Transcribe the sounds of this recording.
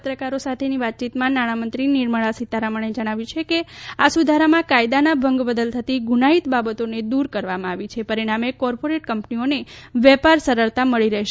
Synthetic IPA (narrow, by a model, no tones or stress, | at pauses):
ət̪ɾəkaɾosat̪ʰeniʋat̪̚t͡ʃit̪mãnaɽ̃amənt̪ɾiniɾməɭasit̪aɾaməɳ̃ed͡ʒəɽ̃aʋjũt͡ʃʰekeasud̪ʱaɾamãkajd̪anabʱəŋɡbəd̪əlt̪ʰət̪iɡunait̪babət̪oned̪uɾkəɾʋamãaʋit͡ʃʰepəɾiɽ̃amekɔɾpoɾeʈkəmpnioneʋɛpaɾsəɾəɭt̪aməɭiɾəɦʃe